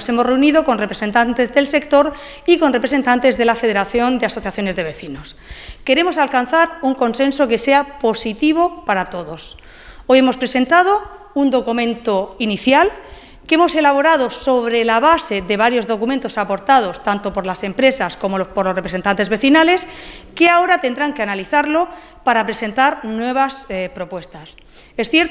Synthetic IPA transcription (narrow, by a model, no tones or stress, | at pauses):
se̞more̞uniðo̞ko̞nrepɾese̞nt̪ant̪e̞zðe̞lse̞kt̪o̞ɾ | iko̞nre̞pɾese̞nt̪ant̪e̞zðe̞lafeð̞eɾaθjo̞nd̪easo̞θjaθjo̞ne̞zðe̞βe̞θino̞s | ke̞ɾe̞mo̞salkanθaɾuŋko̞nse̞nso̞ke̞se̞apo̞sit̪iβ̞o̞paɾat̪o̞ðo̞s | o̞je̞mo̞spɾe̞se̞nt̪að̞o̞ | und̪o̞kumẽ̞nt̪oiniθjal | ke̞mo̞se̞laβ̞o̞ɾað̞o̞so̞βɾe̞laβ̞ase̞ðe̞β̞aɾjo̞zðo̞kument̪o̞sapo̞ɾt̪að̞o̞st̪ant̪opo̞ɾlase̞mpɾe̞sasko̞mo̞lopoɾlo̞srepɾese̞nt̪ant̪e̞zβe̞θinale̞ske̞ao̞ɾat̪e̞nd̪ɾaŋkeanaliθaɾlo̞ | paɾapɾe̞se̞nt̪aɾnwe̞β̞aspɾo̞pwe̞st̪as | esθjeɾt̪